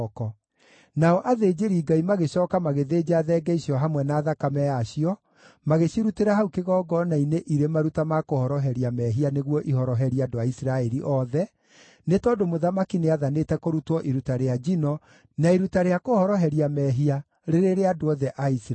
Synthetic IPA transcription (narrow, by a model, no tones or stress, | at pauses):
kɔ | naɔʔaðeːd͡ʑeɾiːɡaimaɣeɕɔːkamaɣeðeːd͡ʑaðɛːɡɛisiɔɦamwɛnaːðakamɛjaɕiɔ | maɣeɕiɾuteɾaɦaukeɣɔːɡɔnaineʔiɾemaɾutamakohɔɾɔɦɛɾiamɛːɦianeɣwɔʔihɔɾɔɦɛɾiadoaisiɾaɛɾiʔɔðɛ | netɔdomoðamakineaðanetɛkoɾutɔʔiɾutaɾead͡ʑinɔ | naiɾutaɾeakohɔɾɔɦɛɾiamɛːɦia | ɾeɾeɾeadoɔðɛʔais